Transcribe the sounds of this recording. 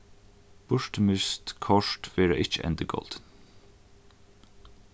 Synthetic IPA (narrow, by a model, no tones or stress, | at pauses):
b̥ʊʃʈəmʏst̪kʰɔʃtʋeːɾə̰ʔɪt͡ʃəʔɛ̰nd̪əɡɔ̰ld̪̥n